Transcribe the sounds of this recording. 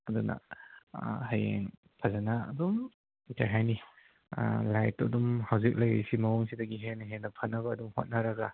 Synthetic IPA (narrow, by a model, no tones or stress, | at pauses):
ɐdunɐ̰ | hajeŋ | pʰazanaɐ̰dum | itʰaɾɦajnḭ | lajtɐ̰dumhawzik̚lɐjḛjsimɐuŋsidɐɡiɦenɐɦenɐpʰanɐbɐːdumho̰t̚naɾɐɡa